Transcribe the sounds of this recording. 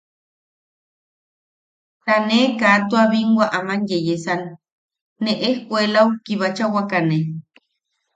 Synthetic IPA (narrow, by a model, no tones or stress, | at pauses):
t̪anekat̪uaβiŋwaʔamanjejesanː | eʔehkʷelawkiβat͡ʃawakane